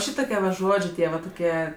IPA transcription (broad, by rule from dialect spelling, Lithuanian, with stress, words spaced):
ˈʃʲiːtoːkʲiɛ ʋɐ ˈʒoːd͡ʒʲeː ˈtʲiɛ ʋɐ toːˈkʲiɛ